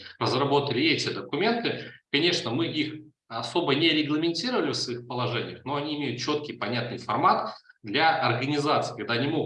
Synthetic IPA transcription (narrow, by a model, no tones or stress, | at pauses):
rəzrɐbo̞t̪əlʲɪɛtʲɪd̪əkʊmʲe̞nt̪ɨkɐnʲe̞ʂnəmɨix | ɐso̞bənʲɪɾʲɪɡlˠəmʲɪnʲtʲiɾəvəlʲɪfsvɐixpəlˠɐʐɛnʲɪjəxno̞ɐnʲiːmʲejʊt̪̚t͡ɕo̞t̪̚kʲɪjpɐnʲat̪̚nɨjfɐrmat̪d̪lʲaʔɐrɡənʲɪzat̪sɨ̥iːkɐɡ̚d̪aɐnʲimoɡ